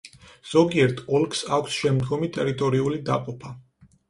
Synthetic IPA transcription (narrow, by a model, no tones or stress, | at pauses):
z̥ɔɡiɛɾt̪ʰɔlˠkʰsakʷʰsʃɛmd̪ɡɔmit̪ʼɛɾit̪ʼɔɾiulid̪aqʼɔpʰa